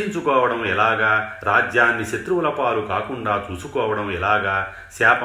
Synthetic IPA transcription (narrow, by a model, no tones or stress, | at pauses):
iɲt͡ʃukɔːʋɐɽɐmɛlaːɡaːɾaːd͡ʒjaːnːiʃet̪ɾuʋlɐpaːlukaːkuɳɖaːt͡ʃuːsukɔːʋɐɽɐmɛlaːɡaː | saːp